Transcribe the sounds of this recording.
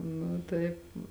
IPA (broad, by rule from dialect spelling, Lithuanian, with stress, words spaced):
ˈnʊ ˈtɐɪp